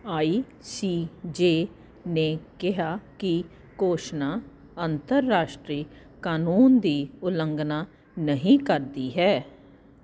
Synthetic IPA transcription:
aːiː | siːd͡ʒeː | nẽːkɪɦaːkɪ | koːʃnaː | ənt̪əɾːaːʃʈɾiː | kaːnuːnd̪iːʊləŋɡnaː | nəɦĩːkəɾd̪iːɦɛː

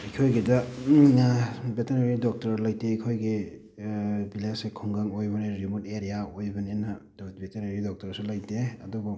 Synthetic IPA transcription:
ikʰojɡidɐ | beteneɾidɔk̚tɐɾlajteikʰojɡe | bilesekʰɔŋɡaŋojbɐneɾimuteɾijaojbɐnenɐdbeteɾeɾidɔk̚tɐɾsulɐjteɐdubu

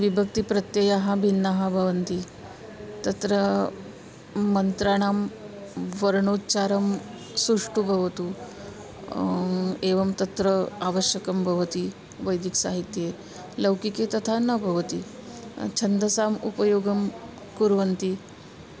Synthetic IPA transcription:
ʋibʱək̚t̪ipɾət̪jəjaɦabʱinːaɦabʱəʋənt̪i | t̪ɐt̪ɾə | mːənt̪ɾaɽ̃am | ʋəɾɳot̪t͡ɕaɾəm | suʂʈubʱɐʋt̪u | eʋəmt̪ɐt̪ɾəaʋəɕjəkəmbʱɐʋt̪i | ʋəjd̪ʱiksaɦit̪je | ləwkiket̪ɐt̪ʰanəbʱəʋt̪i | t͡ɕʰənd̪əsamupəjoɡəm | kuɾʋənt̪i

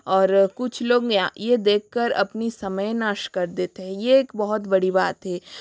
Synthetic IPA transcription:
ɔːɾkʊt͡ʃʰloːɡãjed̪eːkʰːɐɾɐ̰pnisɐməjnaːʃkɐɾd̪eːt̪eɦɛ̃jeeːkbɐɦʊt̪bɐɽibaːt̪ɦɛː

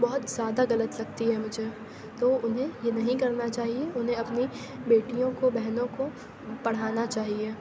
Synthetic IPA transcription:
bɔɦʊt̪zjaːd̪aɣɐlət̪lɐɡ̚t̪iɦɛmʊd͡ʒʱe | t̪oːʊnɦẽjenɐɦĩkɐɾnat͡ʃaːɦieʊnɦẽɐpni | beːʈijõkobɛɦnõko | pɐɽ̤aːnat͡ʃaːɦieː

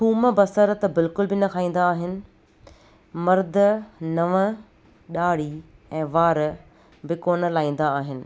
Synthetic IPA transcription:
tʰuːməbɐsəɾt̪ɐbɪlkʊlbɪnɐkʰaːĩːn̆d̪aːɦɪnɪ̆ | mɐɾd̪ʱənɐʋə | ɗaːɽ̤iɛ̃ːʋaːɾ | bɪkoːnəlaːĩːn̆d̪aːɦɪnɪ̆

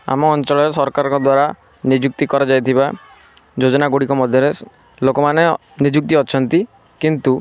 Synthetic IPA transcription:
a̰mɔːnt͡ʃɔɭɔɾesɔɾkaɾɔkɔd̪waɾa | nid͡ʒuk̚t̪ikɔɾad͡ʒajt̪ʰiba | d͡ʒod͡ʒɔnaɡoɽikɔmɔd̪ʱjɔɾe | lokɔmane | nid͡ʒuk̚t̪iɔt͡ʃʰɔnt̪i | kint̪u

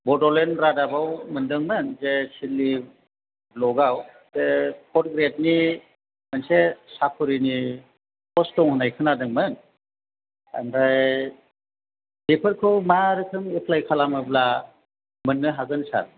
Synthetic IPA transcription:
bɔdɔlenɾadabawmɯndɯŋmɯnzesilːi | blɔɡaw | z̥ekʰɔt̚ɡɾet̚ni | mɯnsesakʰuɾini | pʰɔstɔŋhɯnajkʰɯnadɯŋmɯn | a̰ndaj | depʰɯɾkʰɯwmaɾɯkʰɯŋipʰlajkʰalamɯbla | mɯnːɯɦaɡɯnsa̰ɾ

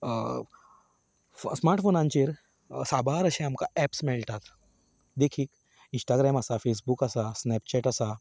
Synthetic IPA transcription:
smaɾʈfonãɲt͡ɕeɾ | sabaɾəɕẽamkaɛpsmeɭʈ̪at̪ | d̪ekʰiːk | insʈaɡɾɛməsafes̬bukəsasnɛp̚t͡ɕɛʈəsa

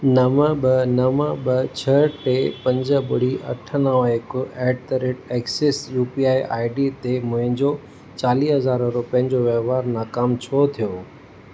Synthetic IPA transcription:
nɐməɓənɐməɓɐt͡ɕʰɐʈepɐ̃ɲd͡ʑə̆ɓʊɽ̤iʔɐ̰ʈʰənəʋəɪkoɛːɖt̪ɾeːʈeːksɪsjuːpiaːiʔa̰ːɪɖit̪emʊ̃ɦɪ̃ɲd͡ʑo | t͡ɕaːliːɦɐzaːɾɾʊpəɦɪ̃ɲd͡ʑoʋeʋaːɾnaːkaːmt͡ɕʰot̪ʰijoː

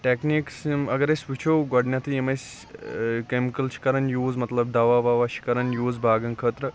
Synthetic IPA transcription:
ʈekniːksmɐɡɐɾɐsʲʋit͡ʃʰoːɡɐɖnʲat̪ʰijɐmɐsʲ | kemikɐlt͡ʃʰi̥kɐɾɐnjuːzmɐt̪lɐb̚d̪ɐʋaːʋaːʋɐʃʰi̥kɐɾɐnjuːzbʱaːɡɐŋkʰəːt̪ɾɐ

